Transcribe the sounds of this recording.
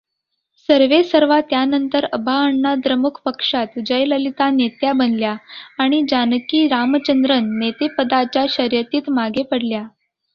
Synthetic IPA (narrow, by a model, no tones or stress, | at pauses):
səɾʋesəɾʋat̪janənt̪əɾəbʱaəɳnad̪ɾəmukʰpəkʂat̪d͡ʑəjləlit̪anet̪jabənljaːɽ̃id͡ʑankiːɾamt͡ɕənd̪ɾənːet̪epəd̪at͡ɕjaɕəɾjət̪iːt̪maɡepəɽlja